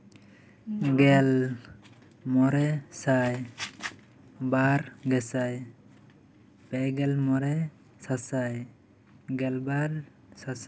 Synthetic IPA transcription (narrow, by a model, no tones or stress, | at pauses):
ɡɛl | mɔɾɛsaj | baɾɡɛsaj | pɛɡɛlmɔɾɛ | sasaj | ɡɛlbaɾ | sasa